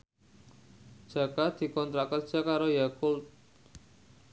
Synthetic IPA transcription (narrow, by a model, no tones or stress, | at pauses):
d͡ʒ̥a̤kad̪̥i̤kɔnt̪ɾakərd͡ʒ̥akaɾojakult̪̚